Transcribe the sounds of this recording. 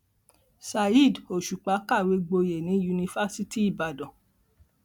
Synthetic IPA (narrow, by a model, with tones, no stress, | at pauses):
sa˧i˦˨do˨ʃu˨k͡pa˨˦ka˦˨we˨˧˦ɡ͡bo˧je˨nĩ˨˦ju˧nĩ˧fa˦si˦ti˦i˦˨ba˨dɔ̃˨